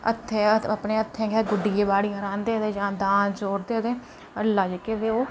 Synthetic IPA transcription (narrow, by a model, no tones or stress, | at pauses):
ə̰t̪ʰːeəpneːət̪ʰːẽːɡɛːɡʊɖiːeːbaːɽiːɦəɾãːnd̪eːt̪eːd͡ʒãːd̪ãːnd͡ʒoːɾd̪eːt̪eː | əlːaːd͡ʒeked̪eːoː